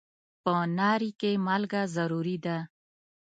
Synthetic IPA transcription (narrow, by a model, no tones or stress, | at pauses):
pənɑɾikemalɡazaɾuɾid̪a